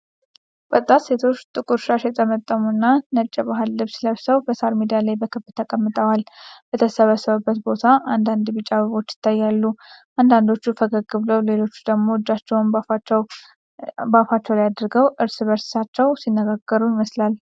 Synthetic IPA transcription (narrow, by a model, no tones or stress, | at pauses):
bət̪ʼːat̪se̞t̪ʰo̞t͡ʃːt̪ʼɨkʼuɾʃaʃɛt̪ʼʰəmət̪ʼːəmuɨnːanət͡ʃʼːɛbaɦɨlːɨβsləβsəwbəsaɾmid̪ijalajbəkʰɨbt̪ʰəkʼəmːɨt̪ʼəwalbət̪ʰəsəβəsəβəbːət̪bo̞t̪ʰaʔand̪and̪bɨt͡ʃʼaβəβo̞t͡ʃːjɪ̥t̪ʰːajːalːuʔand̪and̪o̞t͡ʃːufəɡəɡːɨβləwle̞lo̞t͡ʃːu̥d̪əɡmo̞ɨd͡ʒat͡ʃːɛwn | bafat͡ʃːɛwlijad̪ɾɡəwʔɨɾsɨβəɾssat͡ʃːɛwsinːəɡaɡːəɾuɪməslal